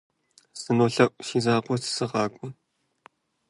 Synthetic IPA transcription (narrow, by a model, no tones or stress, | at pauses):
z̥ɨnoːɬɐʔʷʃiːzaːqʷɔsʰsɨʁɑːkʷʼɔ